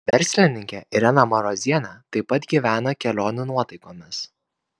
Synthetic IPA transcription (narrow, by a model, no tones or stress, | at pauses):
ʋʲɛɾʲsʲlʲɪnʲɪŋʲkʲɛʔɪɾʲɛnɐmɐɾoːzʲiɛnɑt̪ɐɪpɐt̪ɡʲiːʋʲæːnokʲɛlʲoːnʲʊnuɔt̪ɐɪkoːmʲɪs